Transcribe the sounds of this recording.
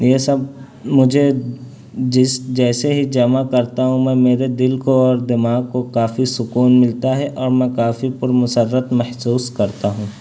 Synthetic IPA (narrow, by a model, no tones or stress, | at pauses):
jesɐb̚ | mʊd͡ʒʱe | d͡ʒɪsd͡ʒɛːseɦid͡ʒɐmakɐɾt̪aɦũmɛ̃meːɾed̪ɪlkoɔːɾd̪ɪmaːɡ̚kokaːfisʊkuːnmɪlt̪aɦɛʔɔːɾmɛ̃kaːfipʊɾmʊsəɾːət̪mɛhsuːskɐɾt̪aɦũː